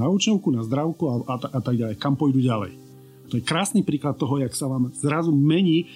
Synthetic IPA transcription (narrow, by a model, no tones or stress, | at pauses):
auːt͡ʃɛʊkunazd̪ɾaʊkuaat̪aat̪aɡɟalɛjkampɔjd̪uɟalɛ̰j | t̪ɔjɛkɾaːsnipɾiːklat̪̚ːɔɦɔjaksaʋaːmz̥ɾazumɛɲiː